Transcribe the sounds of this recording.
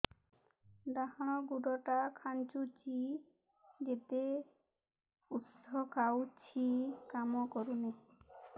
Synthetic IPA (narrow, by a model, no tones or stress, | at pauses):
d̪aɦaɽ̃ɔɡuɖɔʈakʰant͡ʃut͡ʃi | d͡ʒet̪e | ut̪sɔkawt͡ʃʰikamɔkɔɾune